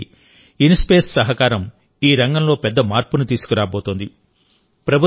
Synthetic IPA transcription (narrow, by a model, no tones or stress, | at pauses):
inspeːssɐɦɐkaːɾɐm | iːɾɐŋɡɐmlo̞ːpɛd̪ːɐmaːɾpunut̪iːsu̥kuɾaːboːt̪oːnd̪i | pɾɐbʱu